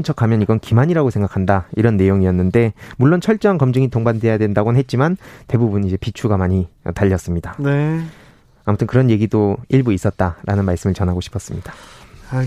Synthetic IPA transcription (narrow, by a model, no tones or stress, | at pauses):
nt͡ɕʰʌkʰamjʌniɡʌnkimaɲiɾaɡosʰe̞ŋɡakʰandaiɾʌnːe̞joŋijʌnːɯnde̞muɭːont͡ɕʰʌɭt͡ɕ͈ʌaŋkʌmd͡ʑɯŋitoŋbande̞jadwe̞ndaɡonɦet̚t͡ɕ͈imante̞bubunid͡ʑe̞pit͡ɕʰuɡamaɲiʌ̰taʎːʌs͈ɯmɲidaneː | mutʰɯnkɯɾʌnje̞ɡidoiɭbuis͈ʌt̚t͈aɾʔanɯnmaɭs͈ɯmɯɭt͡ɕʌnɦaɡoɕʰi̥pʰʌs͈ɯmɲid̥ḁ